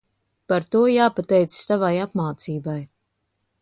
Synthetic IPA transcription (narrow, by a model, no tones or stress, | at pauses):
paɾt̪uɔjaːpat̪ɛjt̪ssavajapmaːt̪siːbaj